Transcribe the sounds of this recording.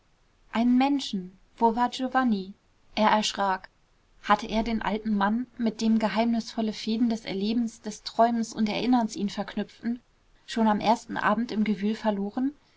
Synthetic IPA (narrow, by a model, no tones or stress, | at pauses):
ʔaɪnənmɛnʃn̩ | v̥oːvaɐʒ̥ovani | ʔeːɐʔɛɐʃʁ̥aːk | hatʰəʔeːɐdeːnʔa̰ltn̩manmɪt̚d̥eːmɡəɦaɪmnɪsfɔləfeːdn̩dɛsɛ̰ɐleːbm̩sd̥ɛstʁ̥ɔʏmənsʊntɛɐʔɪnɐnsʔiːnfɛɐkʰnʏp͡ftn̩ | ʃoːnamʔḛːɐstn̩ʔa̰ːbm̩tɪmɡəvyːlfɛɐloːʁən